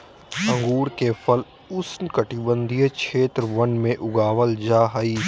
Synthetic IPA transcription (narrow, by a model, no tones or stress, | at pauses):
ɐ̃ŋɡuːɾkefʰɐl | ʊsnkɐʈibə̃nd̪ʱijəkʰeːt̪ɾʋɐnmẽʔʊɡaːʋəld͡ʒaːɦaiː